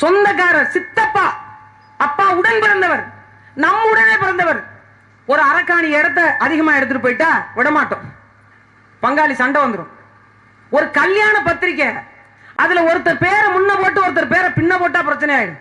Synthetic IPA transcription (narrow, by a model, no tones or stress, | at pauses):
sɔnd̪ɐk̬ːaːɾɐsɪt̪ːɐpːaː | ɐpːaːʊɽɐnpɪɾɐnd̪ɐʋɐɾ | nɐmːʊɽɐneːpɪɾɐnd̪ɐʋɐɾ | ɔɾɯɐɾɐkːaːniɛɽɐt̪̬ːɐʔɐðɪɣɐmaːɪɽɯt̪ːɯʈɯpːoːjɪʈːaːʋɪɽɐmaːʈːʊ̰̃ | pɐŋɡaːlisɐɳɖɐʋɐnd̪ɯɾʊ̰̃ | ɔɾɯkɐljaːnɐpɐt̪ːɪɾɪk̬ːɐ | ʔɐðɪlɐɔɾɯt̪ːɐɾpeːɾɐmʊnːɐpoːʈ̬ːɯɔɾɯt̪̬ːɐɾpeːɾɐpɪɳːɐpoːʈ̬ːaːpɪɾɐt͡ʃːɐnɐjaːjɪɽɯ̰̃